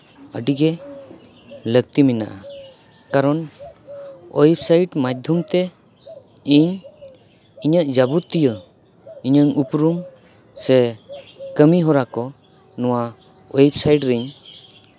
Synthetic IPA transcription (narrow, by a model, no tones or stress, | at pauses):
əɖiɡɛ | lək̚t̪imina̰ʔa | kaɾɔn | ɔ̰jipsajʈmad̪ʱumt̪ɛ | iɲ | iɲəʔd͡ʒabut̪ːijə | iɲəŋupɾum | sɛ | kəmiɦɔɾakɔ | nɔwa | ɔjip̚sajɖɾiɲ